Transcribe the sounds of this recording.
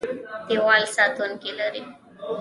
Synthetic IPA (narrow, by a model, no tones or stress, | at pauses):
t̪ewɑlsɑt̪unkeləɾi